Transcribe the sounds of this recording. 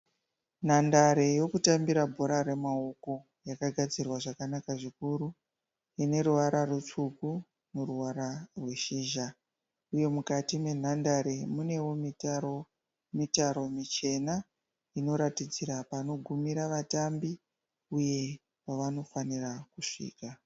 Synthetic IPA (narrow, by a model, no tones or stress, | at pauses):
n̤andaɾe̞jo̞kutambiɾabʱo̞ɾaɾe̞maoko̞ | jakaɡʱad͡zirwaʐakanakaʐikuɾu | ine̞ɾuʋaɾarut͡ʂuku | neruwaɾarwe̞ʃiːʒa | uje̞mukatime̞n̤andaɾe̞mune̞wo̞mitaro | mitaɾo̞mit͡ʃe̞na | ino̞ɾatid͡ziɾapano̞ɡʱumiɾaʋatambi | uje̞ | paʋano̞fanirakuʂḭːka